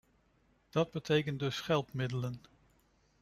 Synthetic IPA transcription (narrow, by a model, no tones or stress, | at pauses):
d̥ɑd̚bətʰejkəndɵsχɛlˠpmɪdələn